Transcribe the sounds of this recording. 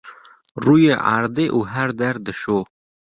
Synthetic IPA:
rujeʔa̰ɾd̪eʔuɦæɾd̪æɾd̪əʃoː

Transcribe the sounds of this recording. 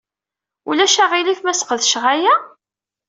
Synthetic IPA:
ulæʃæʁilifmæsqəðʃʁæjæ

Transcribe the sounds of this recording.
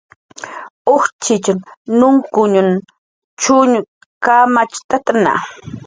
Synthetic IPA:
oχt͡ʃɪt͡ʃaŋnʊŋkʊɲʊn | t͡ʃʊɲʊ | kamat͡ʃt̪at̪ana̰

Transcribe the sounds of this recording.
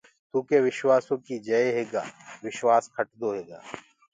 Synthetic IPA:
t̪uːkeːʋɪʃwaːsõːkiːd͡ʒəeɦeːɡa̰ːʋɪʃwaːskʰəʈd̪oːɦeːɡa̰ː

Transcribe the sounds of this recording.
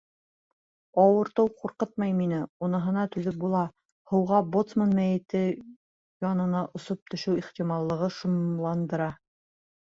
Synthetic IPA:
ɑwɤ̆ɾt̪ɤwquɾqɤt̪̚mɑjminɘunɤ̆ɦɤ̆nɑt̪ʉðɘp̚bulˠɑ | hɤ̆wʁɑbot̪smanmæjɘ̆t̪ɘ | jɒnɤ̆nɑʔŏsop̚t̪ʰɵ̆ʃɘwiχt̪imɑlˠːɤ̆ʁɤʃŭmlˠɑnd̪ɤ̆ɾɑ

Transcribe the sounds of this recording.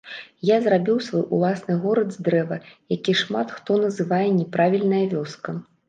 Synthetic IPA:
jazrabʲiwsvɔjʔṵlˠasnɨɣɔɾɐd̪zd̪ɾɛvɐjakʲiʂmat̪xt̪ɔnɐzɨvajɛnʲɛpɾavʲilʲnɐjɐvʲɔskɐ

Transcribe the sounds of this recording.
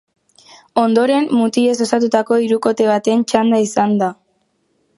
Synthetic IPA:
o̞nd̪o̞ɾe̞mːut̪ie̞s̬o̞sat̪̬ut̪ako̞iɾuko̞t̪e̞β̞at̪e̞nt͡ʃand̪aisand̪a

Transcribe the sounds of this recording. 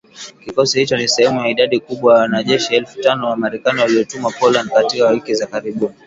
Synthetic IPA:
kikɔsihit͡ʃɔnisɛhɛmujaiɗaɗikuɓwajawanaʄɛʃiɛlfu̥tanɔwamaɾɛkaniwaliɔtumapɔland̚katikawikizakaɾiɓuni

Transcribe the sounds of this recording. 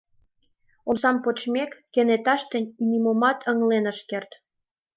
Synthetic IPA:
onsɑmpot͡ɕmekːenet̪ɑʃt̪ə̆nʲnʲimomɑt̪ʰəŋlenəʃkert̪

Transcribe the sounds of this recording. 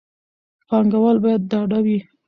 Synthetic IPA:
pɑŋɡawalbɑjad̪̚ːɑɖawi

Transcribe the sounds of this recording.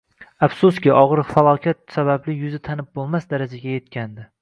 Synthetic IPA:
afsʊskʲɪʔɒʁɾfalˠɒkʲʰat̪̚sabablɪjʊzɪt̪ʰanɪp̚bolˠmasd̪aɾad͡ʒaɡʲaje̞t̪̚kʲʰand̪ɪ

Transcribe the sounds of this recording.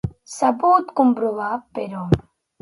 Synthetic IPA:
sɐbuːt̪kʊmbɾuʋaːpeɾoːm

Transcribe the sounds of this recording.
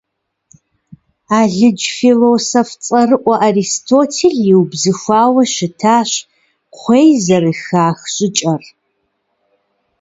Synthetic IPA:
aːɮɨd͡ʒfilosoft͡sʼɐrɨʔʷɐʔaristʰoːtʰeɮjiwbzɨxʷaːwɐʃɪtʰaːɕ | qʷeːjzɐrɨxaːxɕʼɪt͡ʃʼɐr

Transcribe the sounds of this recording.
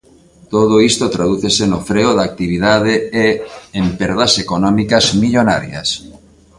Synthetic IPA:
t̪oð̞oist̪ot̪ɾað̞uθesenofɾeoðak̚t̪iβiðað̞eeempeɾðasekonɔmikazmiʎona̰ɾja̰s

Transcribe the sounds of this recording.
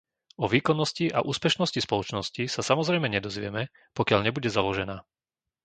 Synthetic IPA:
ɔʋiːkɔnːɔsciʔa̰ʔuːspɛʃnɔscispɔlɔt͡ʃnɔscisasamɔzɾɛjmɛɲɛd̪ɔzʋɪɛmɛ | pɔkɪaʎɲɛbuɟɛzalɔʒɛnaː

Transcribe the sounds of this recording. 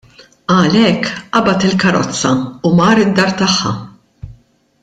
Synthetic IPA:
ɐlɛkːʔɐbɐt̪ɪlkɐɾɔ̰t͡sːɐumɐːɾɪd̪ːɐːɾt̪ɐħːɐ̰

